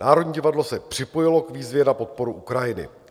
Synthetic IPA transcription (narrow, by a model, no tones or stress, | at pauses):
naːɾodɲiːɟɪvadlo̞sɛpr̝̥ɪpo̞jɪlo̞kviːzvjɛnapo̞t̪̚po̞ɾuʔukɾajɪnɪ̰